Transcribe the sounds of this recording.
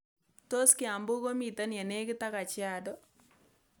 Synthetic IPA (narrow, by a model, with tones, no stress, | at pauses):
to˦skɪ˦a˨mbo˦ko˦mi˨ta˦na˨ne˦kɪ˦ta˦ka˨t͡ʃɪ˦a˨dɔ˦